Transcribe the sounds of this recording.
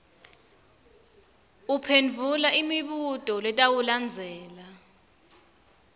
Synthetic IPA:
upʰenvʱulaʔimiɓutʼɔlɛtʼawuland͡zʱɛːla

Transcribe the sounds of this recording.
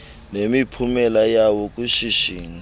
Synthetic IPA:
nemipʰumɛlajawɔk̬ʼuʃiʃiːni

